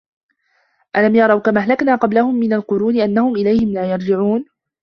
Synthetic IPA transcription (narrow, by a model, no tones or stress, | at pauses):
ʔalamjɑɾˤɑwkamaːɦlaknaːqɑblahʊmːɪnalqʊɾuːnɪʔanːahʊmʔɪlajhɪmlaːjɑɾˤd͡ʒɪʕuːn